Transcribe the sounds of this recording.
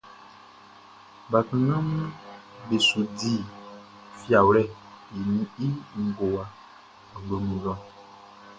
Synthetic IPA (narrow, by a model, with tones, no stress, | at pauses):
ba˨tũ˨nã˦mũ˦ | be˨su˨di˦˨ | fi˦a˨wlɛ˦˨ | i˨nĩ˦i˦ŋ̩˨ɡo˨wa˨ | ɡ͡bo˨mĩ˨lɔ̃˦